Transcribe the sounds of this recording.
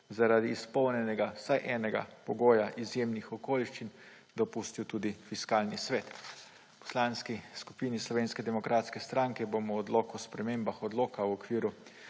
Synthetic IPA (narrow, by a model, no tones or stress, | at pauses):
zaɾaːd̪iːspɔwnjɛnɛɡasajʔɛːnɛɡa̰pɔɡoːjaʔizjemnixɔkoːliʃt͡ʃin | d̪ɔpust̪iwt̪ud̪ifiskaːlnisʋɛːt̪ | pɔ̥slanskisku̥piːnislɔʋeːnskɛd̪ɛmɔkɾaːt̪skɛst̪ɾaŋkɛbomɔːd̪loːkɔspɾɛmembaxɔd̪loːkawɔkʋiːɾu